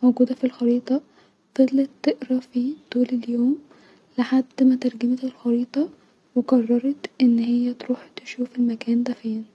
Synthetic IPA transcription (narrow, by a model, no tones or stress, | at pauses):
moɡuːd̪æfilxɑɾiːt̪ˤɑ | fɑd̪ˤlet̪ːeʔɾɑfit̪uːleljoːm | leħad̪ːmæt̪ɑɾˤɡæmet̪elxɑɾiːt̪ˤɑ | weɡɑrˤːɑɾˤɑt̪ʔenːhɪjːæt̪ɾuːħt̪e̥ʃuːfelmækæːnd̪æfeːn